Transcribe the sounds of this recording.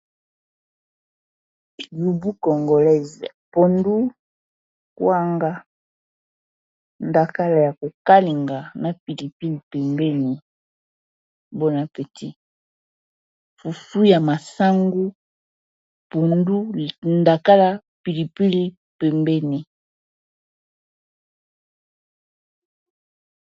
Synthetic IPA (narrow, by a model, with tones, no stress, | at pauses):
ju˨bu˦kɔ˨ŋɡo˨lɛ˦zpo˨ndu˦ | kwa˦ŋɡa˦ | nda˨ka˦la˨ja˨ko˨ka˦li˨ŋɡa˨na˨pi˨li˨pi˦li˨pɛ˨mbɛ˦ni˨ | bo˦na˨pe˨ti˦ | fu˨fu˦ja˨ma˨sa˦ŋɡu˦ | po˨ndu˦nda˨ka˦la˦ | pi˨li˨pi˦li˦ | pɛ˨mbɛ˦ni˨